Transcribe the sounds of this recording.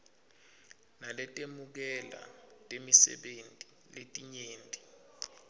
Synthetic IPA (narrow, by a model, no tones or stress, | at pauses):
nalɛtʼemuk̬ɛla̰tʼemisɛ̰ɓentʼi | letʼiɲeːntʼi